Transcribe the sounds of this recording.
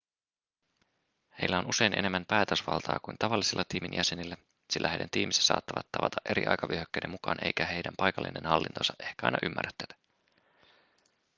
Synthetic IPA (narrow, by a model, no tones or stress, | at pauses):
he̞̰jlːæo̞nʔuse̞jnʔene̞mːæmpæːt̪øsʋɑ̰lt̪ʰɑ̰ːkujnt̪ɑʋɑlːisilːɑt̪iːminjʔæse̞nilːæ | silːæhejdænt̪iːmise̥sɑ̰ːt̪ːɑʋɑt̪ːɑʋɑt̪ɑʔe̞ɾḭʔɑ̰jkɑʋyøhøkːejde̞mːukɑːnʔe̞̰jkæhe̞jdæmpɑjkɑlːinḛnhɑlːint̪o̞̰sɑʔe̞hkæɑ̰jnɑʔymːʔæ̰røt̪ːeːt̪æ̥